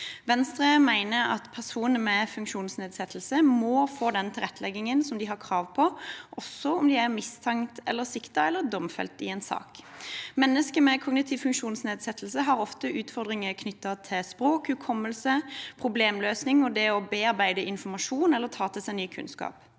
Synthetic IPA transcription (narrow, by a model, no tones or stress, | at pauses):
ʋɛnst̪ʁəmæɪnəɾɑ̰t̪pʰæʁsuːnəmɛfʉŋkʃuːnsneːd̪sɛt̪ʰəl̩səmɔfoːd̪ɛnt̪ʰɪlʁɛt̪ːəlɛɡːɪŋənsɔmd̪ɪɦɑʁkʰʁɑːʋpʰɔʔɔsːɔʊmd̪ɪæʁmɪst̪ʰɛŋt̪ʰɛ̰lːəʁsɪkt̪ɑɛlːəd̪ɔmfɛ̰lt̪ɪ̰ɛːnsɑ̰ːkmɛnːəskəmɛkʰɔɡnɪt̪ʰɪʋfʉŋkʃuːnsneːd̪sɛt̪ʰl̩səɦɑʁɔft̪əʔʉːt̪fɔʁd̪ʁɪŋəkʰnʏt̪ːɑt̪ʰɪlspɾoːkhʉkʰɔmːəlsəpʰʁʊbleːmløːsnɪŋɔd̪ɛɔbeːɑʁbæɪd̪əʔɪnfɔmɑʂuːnɛlːəʁt̪ʰɑːt̪ʰəsɛɪnːyːkʰʉ̰nskɑ̰ːp